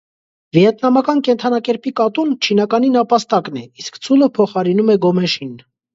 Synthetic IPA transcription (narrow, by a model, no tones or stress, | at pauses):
vjɛt̪nɑmɑkɑnkɛnt̪ʰɑnɑkɛɾpikɑt̪unt͡ʃʰinɑkɑninɑpɑst̪ɑknɛiskt͡sʰuləpʰɔχɑɾinumɛɡɔmɛʃin